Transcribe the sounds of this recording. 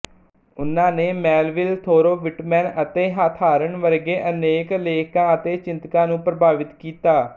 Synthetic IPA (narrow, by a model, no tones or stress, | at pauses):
ʊnãːneːmɛːlʋɪlt̪ʰoːɾoːʋɪʈmɛːnət̪eːɦaːt̪ʰaːɾəɳʋəɾɡeːʔəneːkleːkãːət̪eːt͡ʃɪ̃nt̪kãːnũːpɾəbaːʋɪt̪kiːt̪aː